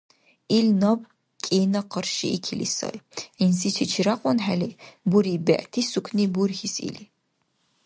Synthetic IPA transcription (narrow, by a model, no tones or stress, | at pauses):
ilnɐb̚ | kʲʼeːnɐqərʃḭikʰilḭsɐ̰rʕinsit͡ʃʰit͡ʃʰiɾaqʷʼɔnħalibuɾiːbæ̰ʔtʰisukʷʰniburxisḭli